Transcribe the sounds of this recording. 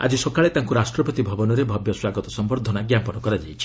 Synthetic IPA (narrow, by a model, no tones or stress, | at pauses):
a̰d͡ʒisɔkaɭet̪aŋkuɾasʈɾɔpɔt̪ibʱɔbɔnɔɾebʱɔbjɔswaɡɔt̪ɔsɔmbɔɾd̪ʱɔnaɡjampɔnɔkɔɾad͡ʒajt͡ʃʰi̥